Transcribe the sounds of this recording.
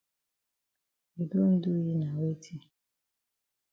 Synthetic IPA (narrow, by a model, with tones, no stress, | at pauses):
i˨do˦n̩˦dʊ˦ji˦na˨we˦tʰi˦